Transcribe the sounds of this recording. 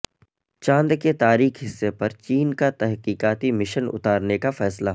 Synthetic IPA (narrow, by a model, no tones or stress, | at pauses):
t͡ʃãːnd̪ket̪aːɾiːkɦɪsːepɐɾt͡ʃiːnkat̪ɛɦqiːkaːt̪imɪʃənʊ̰t̪aːɾnekafɛːsla